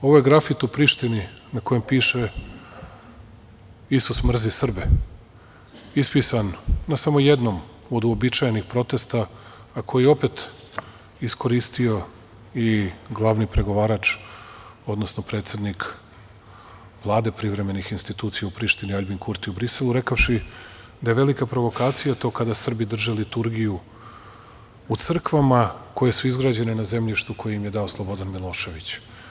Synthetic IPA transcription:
o̞ʋojeɡɾafit̪upɾiːʃt̪ininako̞jempiːʃe | isusmr̩zisr̩be | ispisanːasamo̞je̞d̪no̞m | o̞d̪uobit͡ʃajenixpɾo̞t̪e̞st̪aː | kʰo̞jijeo̞pe̞t̪ | isko̞ɾiːst̪io̞ | iɡlˠaʋnipɾe̞ɡo̞ʋaːɾat͡ʃ | o̞d̪nosno̞pɾet̪se̞d̪nik | ʋlˠaːd̪e̞pɾiʋɾe̞me̞nixinst̪it̪uːt̪sijaupɾiʃt̪iniaʎbinkuɾt̪iubɾise̞lˠuɾe̞kaʃi | d̪ajeʋe̞likapɾo̞ʋo̞kaːt̪sijat̪o̞kad̪asr̩bid̪r̩ʒelit̪uɾɡiju | ut̪sr̩kʋamako̞je̞suizɡɾaːd͡ʑe̞nenaze̞mʎiʃt̪ukojeimje̞d̪ao̞slˠobo̞d̪anmilˠo̞ːʃe̞ʋit͡ɕ

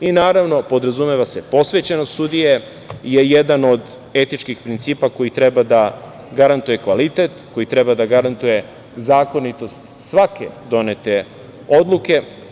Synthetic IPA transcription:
inaːɾaʋno̞po̞d̪ɾazumeʋase̞po̞sʋe̞t͡ɕenost̪sud̪ije | jejed̪ano̞d̪ | e̞t̪it͡ʃkixpɾint̪siːpako̞jit̪ɾebad̪a | ɡaɾant̪uje̞kʋalit̪e̞t̪ko̞jit̪ɾebad̪aɡaɾant̪uje̞ | zaːko̞nit̪o̞st̪sʋakḛd̪o̞ne̞t̪e̞ | o̞d̪lˠuke̞

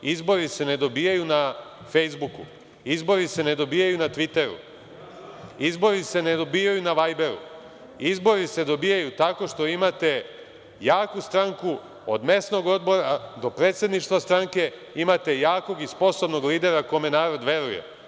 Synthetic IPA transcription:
izbo̞ɾise̞ne̞d̪o̞bijajuna | fejzbukṵ | izbo̞ɾise̞ne̞d̪o̞biːjajunat̪ʋit̪e̞ɾṵ | izbo̞ɾise̞ned̪o̞bijajunaʋajbe̞ɾṵ | izbo̞ɾise̞d̪o̞biːjajut̪ako̞ʃt̪o̞imat̪e̞ | jaːkust̪ɾaŋku | od̪me̞sno̞ɡo̞d̪bo̞ɾad̪o̞pɾet̪sje̞d̪niʃt̪vʋast̪ɾaŋke̞ | imat̪e̞jaːko̞ɡispo̞so̞bno̞ɡliːd̪e̞ɾako̞me̞naːɾo̞d̪ʋe̞ɾujḛ

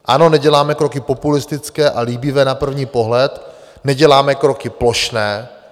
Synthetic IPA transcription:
ʔano̞nɛɟɛlaːmɛkɾokɪpo̞pulɪst̪ɪt͡skɛːʔaliːbɪvɛːnapr̩vɲiːpo̞ɦlɛt̪ | nɛɟɛlaːmɛkɾo̞kɪplo̞ʃnɛː

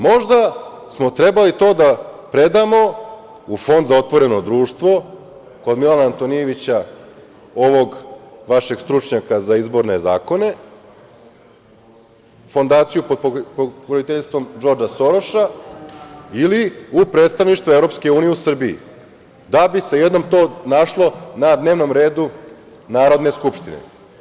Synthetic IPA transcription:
mo̞ʒd̪a | smo̞t̪ɾe̞balit̪o̞ːd̪apɾe̞d̪amo̞ | ufo̞nd̪zao̞t̪ʋo̞ɾe̞no̞d̪ɾuːʃt̪ʋo̞ | ko̞d̪milanaːnt̪o̞nijeʋit͡ɕa | o̞ʋo̞ɡʋaʃe̞ɡst̪ɾut͡ʂɲakazaizbo̞ɾne̞za̰ːko̞ne̞ | fo̞nd̪aːt̪sijupopoɡɾodit̪eʎst̪vʋo̞md͡ʒo̞ɾd͡ʒaso̞ɾo̞ʃa | iliupɾet̪st̪aʋniʃt̪ʋoevɾo̞pske̞uːnijeusr̩biḭ | d̪abisejed̪no̞mt̪o̞ːnaʃlˠo̞nad̪ne̞ːʋno̞mɾe̞ːd̪u | naːɾo̞d̪ne̞skupʂt̪inḛ

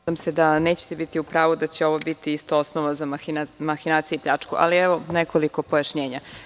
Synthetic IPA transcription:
amse̞d̪ane̞ːt͡ɕe̥t̪ebit̪iupɾaːʋud̪at͡ɕe̞o̞ʋobit̪iist̪oosnoʋazamaxinaːt̪sijeipʎat͡ʂkuʔa̰lieʋo̞nekʰo̞liko̞po̞jaʃɲe̞ːɲa

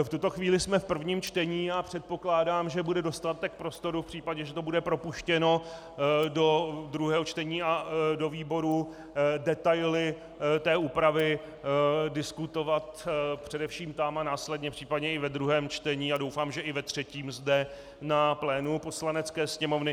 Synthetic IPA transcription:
ft̪ut̪o̞xviːlɪsmɛfpr̩vɲiːmt͡ʃt̪ɛɲiːjapr̝̥ɛt̪̚po̞klaːdaːmʒɛbudɛdo̞st̪at̪ɛk̚pɾo̞st̪o̞ɾufpr̥iːpaɟɛʒɛt̪o̞budɛpɾo̞puʃcɛno̞ | do̞d̪ɾuɦɛːɦot͡ʃt̪ɛɲiːado̞viːbo̞ɾu | dɛt̪ajlɪ | t̪ɛːʔuːpɾavɪ | dɪskut̪o̞vat̪pr̝̥ɛdɛfʃiːmt̪amanaːslɛdɲɛpr̝̥iːpadɲɛɪvɛd̪ɾuɦɛːmt͡ʃt̪ɛɲiːadowfaːmʒɛʔɪvɛt̪r̝̥ɛciːmzdɛ | naplɛːnupo̞slanɛt͡skɛːsɲɛmo̞vnɪ

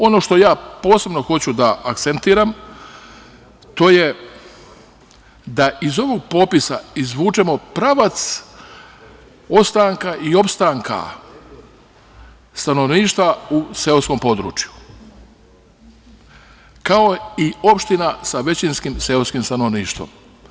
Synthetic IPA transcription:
o̞no̞ʃt̪o̞jaːpo̞ːse̞bno̞xo̞t͡ɕud̪aʔakt̪se̞nt̪iːɾam | t̪o̞je̞ | d̪aʔizo̞ʋo̞ɡ̚po̞pisa̰izʋuːt͡ʃe̞mo̞pɾaʋat̪s | o̞pst̪aŋkaʔio̞pst̪aŋka̰ | st̪ano̞ʋniːʃt̪ʋauseolsko̞mpo̞d̪ɾṵːt͡ʃju̥ | kao̞io̞pʃt̪inasaʋe̞t͡ɕinskimseolskimst̪ano̞ʋniːʃt̪ʋo̰m

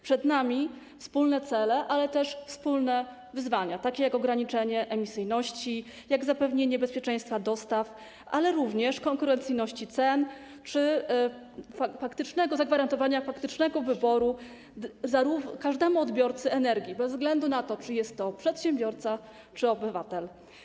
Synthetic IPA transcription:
pʂɛd̪namʲi | fspulnɛt̪sɛlɛʔalɛt̪ɛʂfspulnɛ | vɘzvaɲat̪akʲejakɔɡɾaɲit͡ʂɛɲɛʔɛmʲisɘjnɔɕt͡ɕi | jaɡzapɛvɲeɲɛbɛspʲjɛt͡ʂɛ̃j̃st̪fad̪ɔst̪af | ʔa̰lɛɾuvɲɛʂkɔŋkuɾɛnt̪sɘjnɔɕt͡ɕit̪sɛn | t͡ʂɘ | afakt̪ɘt͡ʂnɛɡɔzaɡvaɾant̪ɔvaɲafakt̪ɘt͡ʂnɛɡɔvɘbɔɾu | zaɾukaʐd̪ɛmuɔd̪bʲjɔɾt̪sɘɛnɛɾɡʲjibɛzzɡlɛnd̪unat̪ɔt͡ʂɘjɛst̪ːɔpʂɛt̪ɕɛmbʲjɔɾt̪sa | t͡ʂɘɔbɘvat̪ɛl

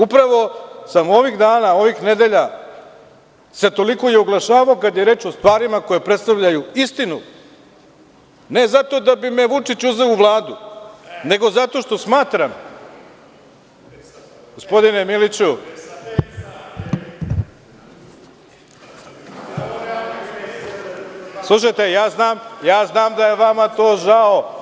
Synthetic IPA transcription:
upɾaʋo̞samo̞ʋiɣd̪aːnao̞ʋixne̞d̪e̞ʎa | set̪o̞liko̞jeuɡlˠaʃaːʋaokad̪jeɾe̞ːt͡ʂo̞st̪ʋaːɾimako̞jepɾet̪st̪aʋʎajuist̪inu | ne̞zat̪o̞d̪abime̞ʋut͡ʂit͡ɕuze̞uʋlˠaːd̪une̞ɡo̞zat̪o̞ʃt̪o̞smaːt̪ɾam | ɡ̥ospo̞d̪inemilit͡ɕu | slˠuʃ̬ajt̪e̞jaːznaːmjaːznaːmd̪ajeʋamat̪o̞ːʒao

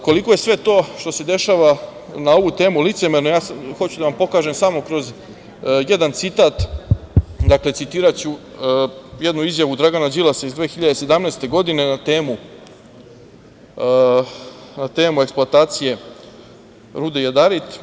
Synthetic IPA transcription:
ko̞liko̞je̞sʋe̞t̪o̞ːʃt̪o̞se̞d̪e̞ʃaːʋa | nao̞ʋut̪e̞ːmulit̪se̞me̞ɾnojaːsxo̞t͡ɕud̪aʋampo̞kaːʒemsamokɾo̞z | je̞d̪ant̪sit̪aːt̪ | d̪akle̞t̪sit̪iːɾat͡ɕu | jed̪nuizjaʋud̪ɾaɡanad͡ʑilasaizd̪ʋeːxiʎad̪e̞se̞d̪amneːst̪e̞ɡo̞d̪ine̞nat̪eːmu | nat̪e̞ːmueksplˠoat̪aːt̪sije̞ | ɾud̪ejad̪aɾit̪

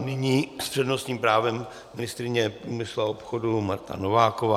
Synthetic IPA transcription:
nɪɲiːspr̝̥ɛdno̞st̪ɲiːmpɾaːvɛmː | ɪnɪst̪ɾɪɲɛpɾuːmɪsluaopxodumaɾt̪a̰novaːkovaː

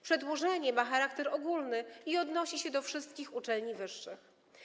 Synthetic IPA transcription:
pʂɛd̪wɔʐɛɲɛmaxaɾakt̪ɛɾɔɡulnɘiɔd̪nɔɕiɕɛd̪ɔfʂɘst̪kʲixut͡ʂɛlɲivɘʂːɘx

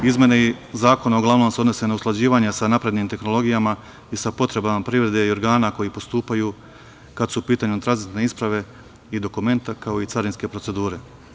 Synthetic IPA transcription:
izmje̞neizaːko̞naoɡlˠaʋno̞mseod̪no̞se̞nausklˠad͡ʑiːʋaɲesanapɾe̞d̪nimt̪e̞xno̞lˠo̞ɡijama | isapo̞t̪ɾe̞bamapɾiʋɾe̞d̪e̞io̞ɾɡaːnako̞jipo̞st̪uːpajuː | kad̪supiːt̪aːɲut̪ɾanzit̪ne̞ispɾaʋe̞ | id̪o̞kume̞nt̪akao̞it̪saɾinske̞pɾo̞tse̞d̪uːɾe̞

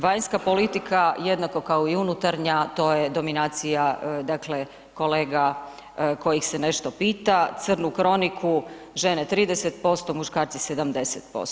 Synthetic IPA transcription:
ʋajnskapo̞lit̪ikʰajed̪nako̞kaoiunut̪aɾɲat̪o̞ːjed̪o̞minaːt̪sijad̪akle | ko̞leːɡa | ko̞jixsene̞ʃt̪o̞piːt̪at̪sr̩nukɾo̞nikʰu | ʒe̞net̪ɾiːd̪eset̪̚po̞st̪omuʃkaːɾt̪sise̞d̪amd̪eset̪̚po̰s

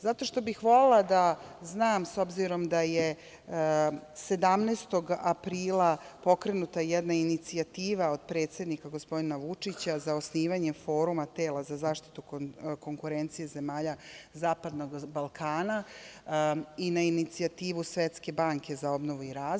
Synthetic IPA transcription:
zat̪o̞ʃt̪o̞bixʋo̞lelˠad̪aznaːmso̞bziɾo̞md̪aje | se̞d̪amneːst̪o̞ɡapɾiːlapo̞kɾe̞nut̪ajɛd̪nainit̪siat̪iːʋao̞d̪̚pɾet̪se̞d̪nikaɡo̞spo̞d̪inaʋut͡ʂit͡ɕazao̞sniːʋaɲefo̞ːɾumat̪e̞ːlˠazazaːʃt̪i̥t̪uko̞ŋkuɾe̞nt̪sijeze̞maːʎazaːpad̪no̞ɡbalˠkʰaːna | inainit̪siat̪iːʋusʋet̪ske̞baŋke̞zao̞bno̞ʋuiɾaː

